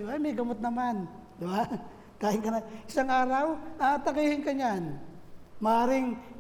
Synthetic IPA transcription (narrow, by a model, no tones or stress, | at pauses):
ameɡɐmot̪̚nɐman | d̪ɪba | t̪aːhɪŋkɐnaɪsaŋaːɾawat̪ɐkiːhɪnkaɲan | mɐaːɾɪŋ